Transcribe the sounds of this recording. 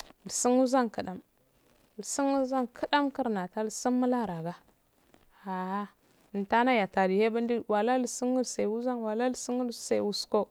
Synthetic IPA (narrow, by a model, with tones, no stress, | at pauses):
li˨si˦nu˦za˦ŋka˨ɗa˨m˨ | lsi˦nu˦za˦nkʰə˦ɗa˦mki˦ɾna˨ta˦li˨si˦nmu˦la˦ɾa˨ɡa˦ | a˨a˦˨ | ta˦na˦ja˨ta˨di˨he˦ba˦n˦di˦wa˨la˦li˨si˦nu˦lse˨wu˦za˦nwa˨la˦lsi˦nu˦se˨wu˨sko˦